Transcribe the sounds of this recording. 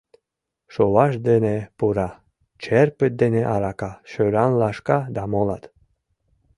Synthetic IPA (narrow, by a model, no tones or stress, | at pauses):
ʃowɑʃd̪enepuɾɑ | t͡ʃeɾpɘ̆t̪̚d̪eneʔɑɾɑkɑʃøɾɑnlɑʃkɑd̪ɑmolˠɑt̪